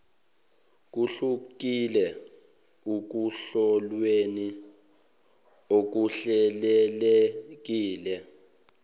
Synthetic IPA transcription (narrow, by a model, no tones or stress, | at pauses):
k̬uɬukilɛ | uk̬uɬɔlweni | ok̬uɬɛlɛlek̬iːlɛ